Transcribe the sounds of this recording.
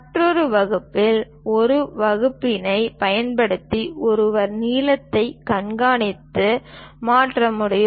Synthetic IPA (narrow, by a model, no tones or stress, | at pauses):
ʈrɔɾɯʋɐɣɯpːɪl | ɔɾɯʋɐɣɯpːɪnɐɪpɐjɐnpɐɽɯt̪ːiʔɔɾɯʋɐɾniːlɐt̪ːɐɪkɐɳɡaːɳɪt̪ːɯmaːʈrɐmɯɽɐj